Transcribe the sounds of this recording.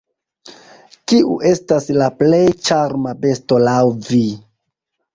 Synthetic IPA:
kiʔuʔe̞staslaple̞jt͡ʃaɾmabe̞sto̞lawvi

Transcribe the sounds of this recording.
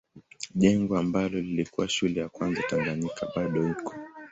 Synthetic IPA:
ʄɛŋɡɔambalɔlilikuwaʃulɛjakwanzataŋɡaɲikʰaɓaɗɔikʰɔ̥

